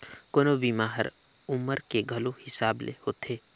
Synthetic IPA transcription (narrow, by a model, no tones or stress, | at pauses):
koːnobimaːɦə̰ɾ | ʊməɾkeɡʱɐlohɪsaːblḛhoːt̪ʰeː